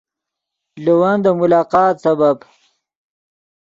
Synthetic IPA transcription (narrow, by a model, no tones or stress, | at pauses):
luwɐnd̪əmulaːqɑːt̪sɐbɐb